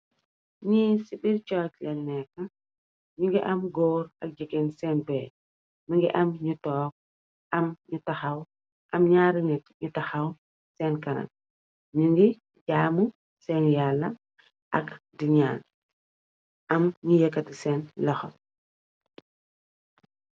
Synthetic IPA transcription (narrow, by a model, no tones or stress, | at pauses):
ɲisiɓiɾt͡ʃɔːclɛnːɛkːɐ | ɲuŋɡiʔɐmɡɔːɾɐk̚d͡ʒikɛnsɛːnbɛː | miŋɡḭʔɐmɲutɔːk̚ | ʔɐmɲutɐxɐw | ʔɐmɲaːɾinɛtɲutɐxɐw | sɛnkɐna̰n̚ | ɲuŋɡi | ɟaːmu | sɛnjalːɐ | ʔɐkdiɲa̰ːn | ʔɐmɲijɛkːɐtisɛnlɐxɔl